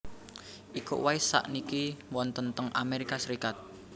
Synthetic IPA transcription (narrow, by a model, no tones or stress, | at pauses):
ʔikṵwaisa̰ʔnikiwɔnt̪ənt̪əŋʔa̰meɾikasəɾikat̪̚